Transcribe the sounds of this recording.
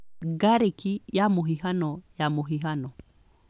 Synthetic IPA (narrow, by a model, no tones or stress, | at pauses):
ɡaɾekijamuɦiɦanɔjamuɦiɦanɔ